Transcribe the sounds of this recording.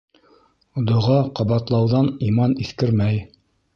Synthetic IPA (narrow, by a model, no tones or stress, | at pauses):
d̪ŏʁɑqɑβɑt̪lˠɑwðɑnimɑniθkɘɾmæj